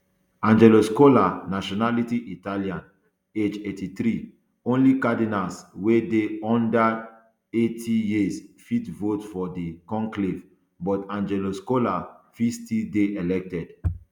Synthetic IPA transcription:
ãnd͡ʒɛloskolanaʃɔnalitiʔitaliãn | ed͡ʒetiθɾi | õnlikadinalswedeɔ̃nda | etʰijisfitvotfɔdikɔ̃ŋklev | bɔtãnd͡ʒɛloskolafitstildeʔɛlɛk̚tɛd̥

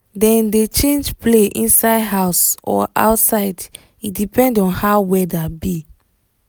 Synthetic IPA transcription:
dɛ̃ndet͡ʃẽnd͡ʒpleʔḭ̃nsaɪdɦaʊsɔ̰ʔa̰ʊtsaɪd | idipʰɛ̃ndɔ̃nhawɛdabi

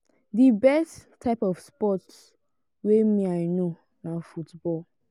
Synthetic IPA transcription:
dibɛstʰːaɪpɔfspɔts | wemĩaɪno | nafutbɔl

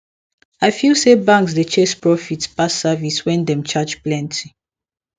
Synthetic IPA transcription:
aɪfilˠsebãŋks̬det͡ʃɛspɹɔfitpasaviswɛ̃ndɛ̃mt͡ʃad͡ʒplɛ̃ntʰi

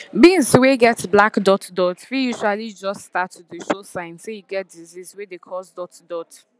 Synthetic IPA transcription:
bĩnsweɡɛtblakdɔtdɔtɹijuʒwalid͡ʒɔststatudəʃosãɪ̃nsojuɡɛt̚dizizwedekʰɔzdɔtdɔt

